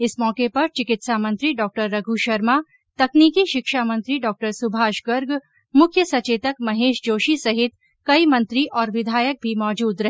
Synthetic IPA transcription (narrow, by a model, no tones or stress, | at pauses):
ɪsmɔːkepɐɾt͡ʃɪkɪt̪saːmɐ̃nt̪ɾiɖɔːk̚ʈəɾːɐɡʱuʃɐɾma | t̪ɐkniːkiʃɪkʃaːmɐ̃nt̪ɾiɖɔːk̚ʈəɾsʊbʱaːʃɡəɾɡ | mʊkʰjəsɐt͡ʃeːt̪əkmɐɦeːʃd͡ʒoːʃisɐɦɪt̪ | kɐimɐ̃nt̪ɾiʔɔːɾʋɪd̪ʱaːjək̚bʱimɔːd͡ʒuːd̪ɾɐɦ